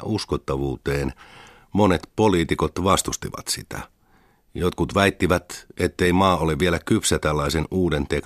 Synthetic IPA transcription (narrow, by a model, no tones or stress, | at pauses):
ʔuskot̪ːɑʋuːt̪eːn | monet̪poliːt̪ikot̪ʋɑst̪ust̪iʋɑ̰t̪sit̪æ̰ | jot̪kut̪ʋæit̪ːiʋæt̪et̪ːeimɑːoleʋʋielækypsæt̪ælːɑisenuːdent̪ek